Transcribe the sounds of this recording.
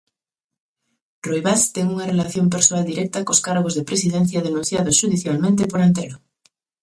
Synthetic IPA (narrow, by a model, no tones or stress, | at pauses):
rojβast̪eŋuŋarelaθjomp̬eɾsoald̪iɾɛk̚t̪akoskaɾɣ̞ozðepɾesiðẽn̟θjað̞enũnθjaðosʒ̥uðiθjalmẽnt̪̬epoɾant̪eɾo